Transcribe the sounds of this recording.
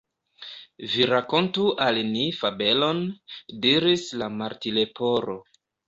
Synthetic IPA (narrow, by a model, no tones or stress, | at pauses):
viɾako̞ntuʔalnifabe̞lo̞ndiɾislamaɾtile̞po̞ɾo